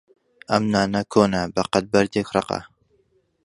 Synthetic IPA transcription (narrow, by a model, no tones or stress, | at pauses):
ɐmnaːnɐkʰoːnɐbɐqɐt̪̚bɐɾd̪ekrˤɨqɐ̰